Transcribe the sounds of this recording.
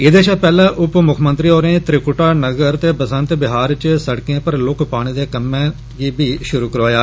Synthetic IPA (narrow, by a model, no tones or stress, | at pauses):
ɪd̪eːt͡ʃʰaːpɛːlãːʔʊpmʊkʰmənt̪ɾiːoːɾẽːt̪ɾɪkʊʈaːnəɡəɾt̪eːbəsə̃nt̪bɪɦaːɾt͡ʃsəɽkẽːpəɾlʊkpaːɽ̃iːd̪eːkəmːẽː | ɡiːbʱiːʃʊɾuːkəɾoːjaː